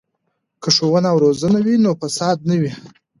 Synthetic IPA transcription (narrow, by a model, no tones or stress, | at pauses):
kəʂowənawɾozənawinofasɑd̪̚nawi